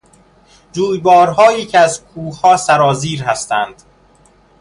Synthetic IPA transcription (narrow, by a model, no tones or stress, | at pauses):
d͡ʒuːjbɒːɾɦɒːjiːcʰeæzkʰuːhɒːsæɾɒːziːɾɦæst̪ænd̪̥